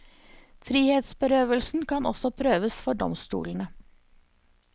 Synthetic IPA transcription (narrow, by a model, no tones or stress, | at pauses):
fɾiːheːt̪sbəɾøːʋəlsn̩kʰɑnɔ̰sɔpʰɾøːʋəsfɔɖɔ̰mst̪ṵːln̩ə